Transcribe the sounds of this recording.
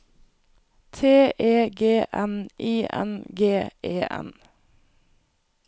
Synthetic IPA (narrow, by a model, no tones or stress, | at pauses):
t̪ʰeːʔeːɡeːʔɛnʔiːʔɛ̰nɡeːeːʔɛ̰n